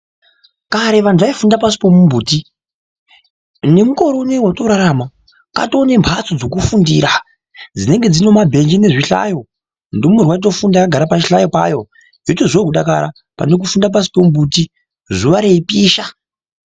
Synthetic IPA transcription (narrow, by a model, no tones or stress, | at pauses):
kaɾeʋantʰuʋaifundapasi̥po̞mumbuːti | ne̞muko̞ɾo̞newatoɾaɾama | ka̰toːne̞mpʰat͡sod͡zo̞kufundiːɾa | d͡zine̞ŋɡe̞d͡zino̞mabʱe̞nd͡ʒine̞ʐiɬa̰jo̞ | ndumurwait̬o̞fundakaɡʱaɾapat͡ʃiɬajo̞pa̰jo̞ | jotozekuɗakaɾa | pa̰ne̞k̬ufundap̬asi̥pomubuti | zuʋaɾe̞ipiːʃa